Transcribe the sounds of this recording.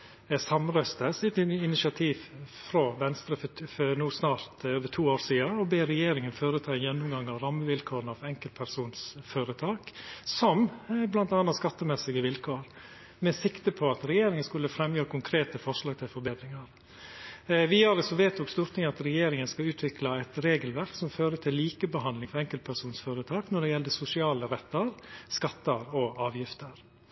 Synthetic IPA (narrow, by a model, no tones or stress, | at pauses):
sɑmɾœst̪əsɛt̪ɪnɪsɪɑt̪ʰiːʋfɾoʋɛnst̪ɾəffɔnuːsnɑːɾt̪øːʋət̪ʰuːoːɾsiːɑɔbeːɾɛjeːɾɪŋənføːɾət̪ʰɑːɪnjɛnːʊmɡɑŋɑʋɾɑmːəʋɪlkʰoːɾənɑʋɛŋkəlt̪̚pʰæɾsuːnsføːɾət̪ʰɑːksɔmblɑnt̪ɑːnɑskɑt̪ːəmɛsɪɡəʋɪlkʰoːɾ | mɛsɪkt̪əpʰɔɑt̪ɾɛjeːɾɪŋənskʉlːəfɾɛmjøːɾəkʰʊŋkʰɾeːt̪əfɔʂlɑːɡ̚t̪ʰɪlfɔɾbeːd̪ɾɪŋɑɾ | ʋɪɑɾəsɔʋeːt̪ɔkst̪uːɾʈ̪t̪ɪŋɑt̪ɾɛjeːɾɪŋənskɑʉːt̪ʰʋɪklɑɛt̪ɾeːɡəlʋæɾksɔmføːɾəʈʰɪlːiːkəbəɦɑnd̪lɪŋfɔɾɛŋkəlt̪̚pʰæɾsuːnsføːɾət̪ʰɑːknɔɖɛjɛld̪əsʊsɪɑːləɾɛt̪ːəɾskɑt̪ːəɾɔɑːʋjɪft̪əɾ